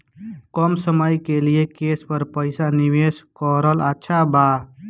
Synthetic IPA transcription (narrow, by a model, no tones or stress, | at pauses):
kɔmsəməjkeliekespəɾpəɪsaniʋeskəɾələtːʃʰaba